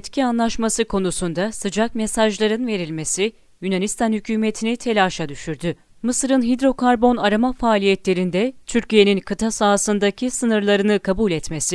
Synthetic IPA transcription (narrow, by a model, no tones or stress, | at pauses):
ɛt̪cʰianlˠaʃmasɯkʰo̞nusund̪asɯd͡ʒak̚mesaʒlˠaɾɯnve̞ɾilʲme̞si | jynanist̪ʰanhycʰyːme̞t̪ʰinit̪ʰe̞lʲaːʃad̪yʃyɾd̪y | mɯsɯɾɯnɦid̪ɾo̞kʰaɾbo̞naɾamafaːlʲijɛt̪lʲe̞ɾind̪ɛt̪ʰyɾcije̞ninkʰɯt̪ʰasaːsɯnd̪acʰisɯnɯɾlˠaɾɯnɯkʰabulʲɛt̪me̞si